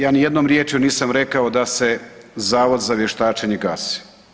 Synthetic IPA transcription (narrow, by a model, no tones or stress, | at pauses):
jaːnijed̪nomɾjet͡ʃjuniːsamɾekaod̪ase̞zaːʋo̞d̪zaʋjeʃt̪aːt͡ʃeɲeɡaːsi̥